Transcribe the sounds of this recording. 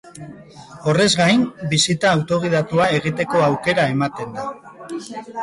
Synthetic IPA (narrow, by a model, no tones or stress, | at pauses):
o̞re̞zɣajnbisit̪aːwt̪o̞ɣ̞ið̞at̪uae̞ɣ̞it̪e̞ko̞awke̞ɾae̞mat̪e̞nd̪a